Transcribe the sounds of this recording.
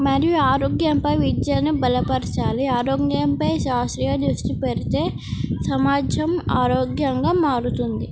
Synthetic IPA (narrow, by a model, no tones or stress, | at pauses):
mɐɾijuaːɾoːɡjɐmpɐjʋid̪jɐnibɐlɐpɐɾɐt͡ʃaːliaːɾoːɡjɐmpɐjʃaːst̪ɾijɐd̪ɾusʈipeɾit̪e̞ː | sɐmaːd͡ʒɐmaːɾoːɡjɐŋɡaːmaːɾut̪und̪i